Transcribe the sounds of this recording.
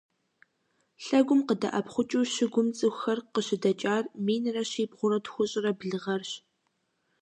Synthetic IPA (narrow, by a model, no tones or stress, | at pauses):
ɬɐɡʷʊmqədɐ̰ʔɐpχʷʊt͡ʃʼuːɕɪɡʷʊmt͡sʼɨxxɐrqəɕɪdɐt͡ʃʼaːrmiːnɨrɐɕiːbʁʷʊɾɐtxʷʊɕʼɪrɐbɮɨʁɐrɕ